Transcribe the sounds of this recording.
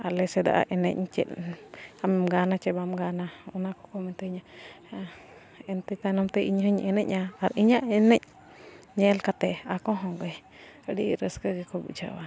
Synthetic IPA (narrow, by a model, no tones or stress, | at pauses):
alɛsɛd̪a̰ʔa̰ʔɛnɛ̰c̚t͡ʃɛ̰ʔ̪amɛmɡanat͡ʃɛbamɡanaɔnakɔkɔmɛnt̪ɛɲa | ɛnt̪ɛt̪anɔmt̪ɛʔiɲɦəɲʔɛnɛcaaɾiɲaʔɛnɛc̚ | ɲɛɛlkat̪ɛakɔɦɔ̃ŋɡɛ | əɖiɾəskəɡɛkɔbṵʔd͡ʒa̰wa